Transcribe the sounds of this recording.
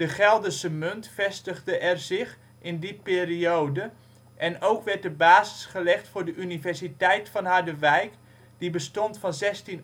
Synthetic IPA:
d̥əχɛlˠdəsəmɵntfɛstəχdəʔɛrzɪχ | ɪndipɪːriowdə | ʔɛnowkʋɛɹt̚əbaːzɪ̥sχəlɛχtfʊːɹdəʔynivɛɹsitɛjtfɑnɦadəʋɛjk | d̥ibəstɔntfɑnzɛstin

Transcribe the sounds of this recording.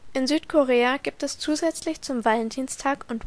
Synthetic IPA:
ʔɪnzyːtkʰoʁeːaɡ̥iːp̚tɛst͡suːzɛt͡slɪçt͡sʊmvaləndiːnstʰaːkʊnt

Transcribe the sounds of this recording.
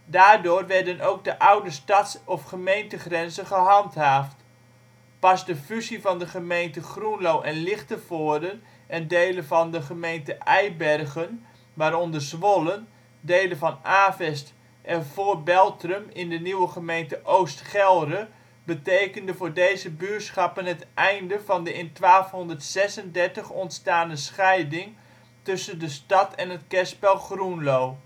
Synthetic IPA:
daːrdʊːrʋɛrdənowɡ̚dəʔawdəstatsɔfχəmejntəχrɛnzəχəɦɑntɦaːft | pɑsdəfyzivɑndəχəmejntəχrunlowʔɛnlɪχtəfʊːdən | ɛndeːlənvɑndəχəmejntəʔɛjbɛrɣən | ʋaːɾɔndərsʋɔlən | deːlənvɑnaːvɛst | ʔɛnv̥oːrbɛlˠtrəmɪndəniwəχəmejntəʔowstχɛlˠrə | bətejkəndəvʊːrdejzəbyːsχɑpənɦətʔɛjndəvɑndəɪntʋaːlˠfɦɔndərtsɛsəndɛɹtəχɔntstaːndəsχɛjdɪŋ | tɵsəndəstɑtʰɛnətkɛspɛlˠχrunloː

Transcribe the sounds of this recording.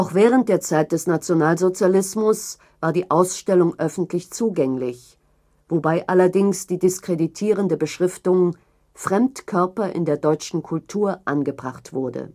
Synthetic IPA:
ʔaʊxv̥ɛːʁ̞ənt̚d̥eːɐt͡saɪt̚d̥ɛsnat͡sjonaːlzot͡sjalɪsmʊs | v̥aːɐdiːʔaʊsʃtɛlʊŋʔœfn̩tʰlɪçt͡suːɡɛŋlɪç | v̥obaɪʔalɐdɪŋsd̥iːdɪskʁ̥editʰiːʁ̞əndəbəʃʁ̥ɪftʊŋ | fʁ̥ɛmtkʰœɐpɐʔɪ̰ndeːɐdɔʏt͡ʃn̩kʰʊltʰuːɐʔanɡəbʁaχtv̥ʊɐdə̰

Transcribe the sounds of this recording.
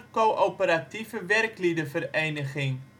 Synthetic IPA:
koʔopəɾɐtifəværklidəfəɾejnəχɪŋ

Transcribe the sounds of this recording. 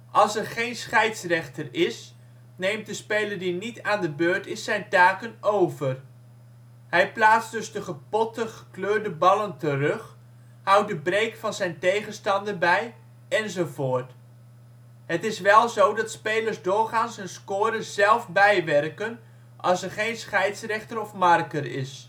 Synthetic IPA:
ʔɑlˠsɛɹχejnsχɛjtsrɛχtərɪs | nejmt̚dəspejləɹdinitaːndəbøːɹtɪsːɛjntaːkənowvər | ɦɛjplaːtsdɵzdəχəpɔtəχəkløːɹdəbɑləntərɵχ | hʌwt̚dəbrejkfɑnzɛjntejχənstɑndəɹbɛj | ɛnzowvʊːɹt | ɦətɪsʋɛlˠzowdɑtspejləɹzdʊːɹχaːnsɛnskʊːɾəz̥ɛlˠfbɛjʋɛrkən | ʔɑ̰lˠsɛɹχejnsχɛjtsrɛχtəɾɔfmɑrkəɾɪ̰s

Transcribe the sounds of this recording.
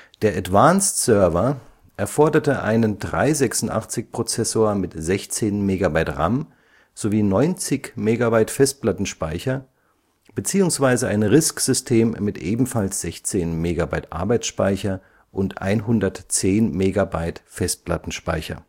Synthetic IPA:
d̥eːɐʔatv̥aːnstsœɐvɐ | ʔɛɐfɔɐdɐtəʔa̰ɪnəndʁa̰ɪzɛksʊn̩tʔa̰χt͡sɪçpʁ̥ot͡sɛsoːɐmɪtz̥ɛçt͡seːnmeːɡabaɪtʁa̰m | z̥oviːnɔʏnt͡sɪçmeːɡabaɪtfɛst̚pl̥atn̩ʃpaɪçɐ | b̥ət͡siːʊŋsv̥aɪzəa̰ɪnʁɪskz̥ʏstʰeːmːɪtʔeːbm̩falsz̥ɛçt͡seːnmeːɡabaɪtʔa̰ɐbaɪt͡sʃpaɪçɐ | ʔʊntʔa̰ɪnɦʊndɐtt͡seːnmeːɡabaɪtfɛst̚pla̰tn̩ʃpa̰ɪçɐ̰

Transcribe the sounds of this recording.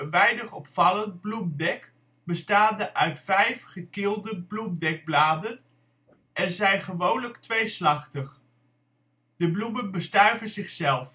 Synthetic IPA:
əʋɛjnəχɔpfɑlənd̚blumdɛk | bəstaːndəʔœɥtfɛjfχəkɪːlˠdəblumdɛɡ̚blaːdən | ʔɛnzɛjnχəʋownləktʋejslɑχtəχ | dəblumənbəstœɥvəzɪχsɛlˠf

